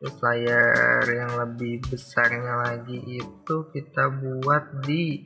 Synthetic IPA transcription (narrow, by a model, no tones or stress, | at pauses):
ʊslajarjaŋləbɪhbəsarɲalaɡiʔːt̪ukit̪abuat̪̚di